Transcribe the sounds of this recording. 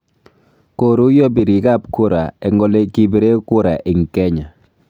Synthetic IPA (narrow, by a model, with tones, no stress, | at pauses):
ko˨ɾu˦jɔ˦bi˨ɾi˨˦ka˦˨p̚kʊ˦ɾa̰˨ɛ˨ŋɡɔ˦le˦ki˦be˦ɾe˦kʊ˦ɾa˨ʔɪ˨ŋ˨kɛ˦ɲa˨